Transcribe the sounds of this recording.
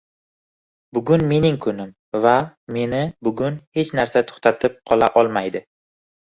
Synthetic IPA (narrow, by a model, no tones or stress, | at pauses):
bʊɡʊnme̞nɪŋkʰʊnɪm | vame̞nɪbʊɡʊnhe̞t͡ʃnaɾsat̪ʰo̥χt̪ʰat̪ʰɪp̚qʰɒlˠaʔɒlˠmajd̪ɪ